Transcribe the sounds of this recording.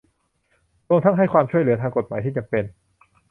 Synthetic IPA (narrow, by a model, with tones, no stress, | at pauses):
ɾu˧əmt̪ʰa˦˥ŋɦa˥˩jkʰwaː˧mt͡ɕʰu˥˩əjlɯ˩˦ɐt̪ʰaː˧ŋko˨˩t̪̚maː˩˦j̪ʰiː˥˩t͡ɕa˧mpe˧n